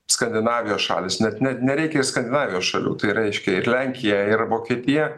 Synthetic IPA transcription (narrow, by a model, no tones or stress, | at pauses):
skɐnʲd̪ʲɪnɑːʋʲɪjoːsʃɑ̰ːlʲɪsnʲɛt̪nʲɛt̪nʲɛɾʲɛɪkʲɛɪrskɐnʲd̪ʲɪnɑːʋʲɪjoːsʃɐlʲṵːt̪ɐɪrɐɪʃʲkʲɛɪɾlʲɛŋʲkʲɪjɛɪrʋoːkʲɛːt̪ʲɪjɛ